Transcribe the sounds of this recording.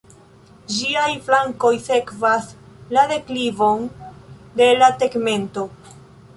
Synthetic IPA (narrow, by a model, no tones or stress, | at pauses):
d͡ʒiajflaŋko̞jse̞kvaslade̞klivo̞n | de̞late̞ɡme̞nto̞